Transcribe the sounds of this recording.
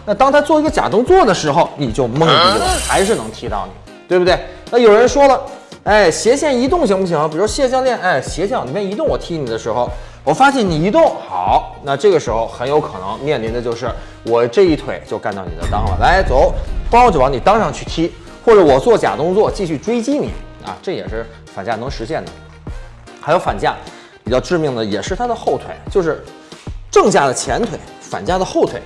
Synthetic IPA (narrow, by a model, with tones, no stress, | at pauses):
na˥˧t̪ɑ˥ŋt̪ʰa˥t͡swɔ˥˩i˧˥ɡə˧t͡ɕja̰˨˩t̪ʊ˥ŋt͡swɔ˥˩d̪ə˩ʂɻ̩˧˥xo˥˧ʊni˨˩t͡ɕjo˥˧ʊmɤ˥˧ŋi˥˩lə˦xa˧˥ɪʂ̬ɻ̩˥˩nɤ˧˥ŋt̪ʰi˧˥t̪ɑ˥˩ʊnḭ˨˩˦t̪we˥˩bu˩t̪we˥˩ɪna˥˩jo˨˩ʊɻə˧˥nʂwɔ˥lə˨e˥˩ɪɕjɛ˧˥ɕjɛ˥˩ni˧˥t̪ʊ˥˧ŋɕ̬i˧˥ŋpu˥˩ɕ̬ʰwpi˨˩˧ʂɕjɛ˥˧ɕjɑ˥˧ŋljɛ˥˩na˥˩ɪɕjɛ˧˥ɕ̬jɑ˥˩ni˨˩ɛ˥˩ni˧˥t̪ʊ˥˩ŋwɔ˨˩t̪ʰi˥ni˨˩d̪ə˦ʂɻ̩˧˥xo˥˧ʊ | wɔ˨˩fa˥ɕjɛ˥˩nni˨˩i˧˥t̪ʊ˥˩ŋxɑ˨˩˦ʊna˥˧ʈ͡ʂɤ˥˩ɡə˩ʂɻ̩˧˥xo˧ʊxə˧˥njo˧˥ʊkʰɤ˨˩nɤ̰˧˥ŋmjɛ˥˩nli˧˥nd̪ə˧t͡ɕjo˥˧ʊʂɻ̩˥˩ | wɔ˨˩ʈ͡ʂɤ˥˧i˥˩t̪ʰwe˨˩ɪt͡ɕjo˥˧ʊka˥˧nt̪ɑ˥˩ni˨˩d̪ə̰˦t̪ɑ˥ŋlə̰˨la˧˥ɪt͡so˧˥˦ʊpŋwɔ˧˥t͡ɕjo˥˩pɑ˧˥ni˨˩t̪ɑ˥ŋʂɑ˥˧ŋt͡ɕʰy˥˩t̪ʰi˥ | xwɔ˥˩ʈ͡ʂɤ˧˥wɔ˨˩t͡swɔ˥˩t͡ɕja̰˨˩kʊ˥ŋt͡swɔ˥˧˩t͡ɕi˥˧ɕy˥˩ʈ͡ʂwe˥ɪt͡ɕi˥nḭ˨˩˦ɐ̰˧ʈ͡ʂɤ˥˩jɛ˨˩ʂɻ̩˥˩ | fa˨˩nt͡ɕja˥˩nɤ˧˥ŋʂɻ̩˧˥ɕjɛ˥˩nd̪ə̰˩ | a˧˥jo˧˥ʊfa˨˩nt͡ɕja˥˩ | pi˨˩t͡ɕjɑ˥˧ʊʈ͡ʂɻ̩˥˧mi˥˩ŋd̪ə˩jɛ˨˩ʂɻ̩˥˩t̪ʰa˥d̪ə˨xo˥˩ʊt̪ʰwe˨˩ɪt͡ɕjo˥˧ʊʂɻ̩˥˩ | ʈ͡ʂɤ˥˧ŋt͡ɕja˥˩d̪ə˩t͡ɕʰjɛ˧˥nt̪ʰwe˨˧˩ɪfa̰˨˩nt͡ɕja˥˩d̪ə˩xo˥˩ʊt̪ʰwe˨˩˦ɪ